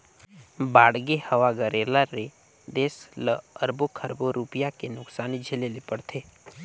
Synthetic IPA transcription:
baːɽɡehəʋaɡəɾeːlaɾe | d̪eːsləəɾbokʰəɾboɾupɪjakenʊksaːnid͡ʒʱelelipəɽt̪ʰeː

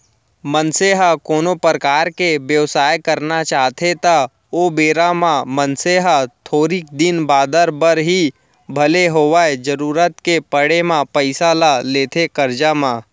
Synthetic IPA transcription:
mənseɦakoːnopɾəkaːɾkeʋjəʋsaːjkəɾnat͡ʃaːt̪ʰet̪a | obeːɾamãmənseɦat̪ʰoːɾik̚d̪ɪnbaːd̪əɾbəɾɦi | bʱəleɦoːʋaːed͡ʒəɾuːɾət̪kepəɽemãpəɪsalaleːt̪ʰekəɾd͡ʒamã

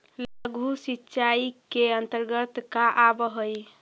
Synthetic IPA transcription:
laɡʱusitːʃaikeənt̪əɾɡət̪kaʔabəɦəj

